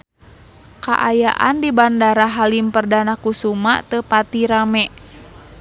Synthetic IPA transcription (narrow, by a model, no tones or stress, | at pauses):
ka̰ʔajaʔa̰ndibandaɾaɦalimpərdanakusuma̰ʔt̪əpat̪iɾamɛʔ